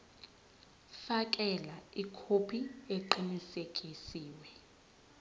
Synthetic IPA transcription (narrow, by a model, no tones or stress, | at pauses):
fakʼɛlaikʰopʰieǃinisekʼisiːwɛ